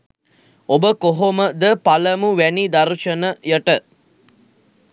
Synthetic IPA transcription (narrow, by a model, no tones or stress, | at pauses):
obəkoɦoməd̪əpaləmuʋænid̪aɾʃənəjəʈə